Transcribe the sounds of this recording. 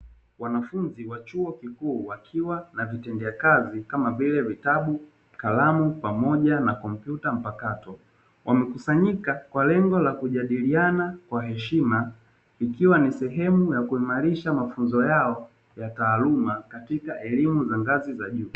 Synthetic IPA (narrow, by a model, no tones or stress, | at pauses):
wanafunziwat͡ʃuɔkikuːwakʰiwanavitɛndɛakazikamabilɛvitaɓu | kalamupamɔʄanakɔm̩pjutam̩pakatɔ | wʔamɛkusaɲikakwalɛŋɡɔlakuʄaɗilianakwaɦɛʃima | ikiwanisɛɦɛmujakuimaɾiʃamafunzɔjaɔ | jataːlumakatikaʔɛlimuzaŋɡazizaʄuː